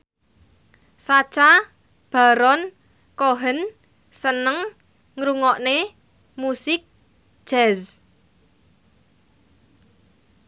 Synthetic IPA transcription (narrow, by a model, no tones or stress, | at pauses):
sat͡ʃa | b̥a̤ɾɔn | koɦən | sənəŋ | ŋɾuŋɔʔne | musɪk̚ | d͡ʒ̥ɛz